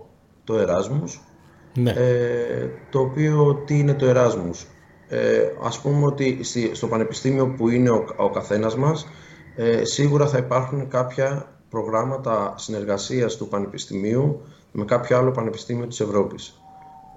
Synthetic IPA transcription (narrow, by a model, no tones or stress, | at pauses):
t̪o̞e̞ɾɐzmus | e | t̪o̞ːpiot̪iine̞t̪o̞e̞ɾɐzmus | ḛɐ̰spumeo̞t̪ist̪ist̪o̞pɐne̞pi̥st̪imio̞puine̞oo̞̰kɐθe̞nɐzmɐs | siɣuɾɐθɐipɐɾxunkɐpçɐ | pɾo̞ɣɾɐmɐt̪ɐsine̞ɾɣɐsiɐst̪upɐne̞pist̪imiu | me̞kɐpço̞ɐlo̞pɐne̞pi̥st̪imio̞t̪i̥se̞vɾo̞pis